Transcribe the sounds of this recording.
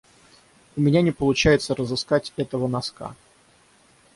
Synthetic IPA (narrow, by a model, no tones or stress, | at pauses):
ʊmʲɪnʲanʲɪpəlˠʊt͡ɕæjɪt̪səɾəzɨskatʲɛt̪əvənɐska̰